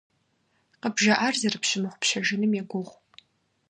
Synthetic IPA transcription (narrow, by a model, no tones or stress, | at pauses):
qəbʒɐʔarzɐrɨpɕɪmɨχʷʊpʃɐʒɪnɨmjaɡʷʊʁʷ